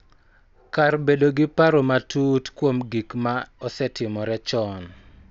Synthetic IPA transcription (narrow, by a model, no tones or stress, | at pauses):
karbedoɡɪpaɾomatutkwomɡikmaɔsɛtɪmɔɾɛt͡ʃɔn